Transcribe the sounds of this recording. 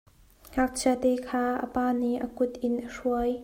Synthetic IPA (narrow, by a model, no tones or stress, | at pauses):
ŋ̥ak̚t͡sʰiat̪ɛːkʰaːʔə̰paːniʔəkʊt̪̚ʔɪnʔəʂuəj